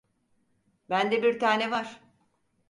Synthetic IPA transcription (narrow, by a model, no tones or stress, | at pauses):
bænd̪ɛbiɾt̪ʰaːnɛvaɾ̥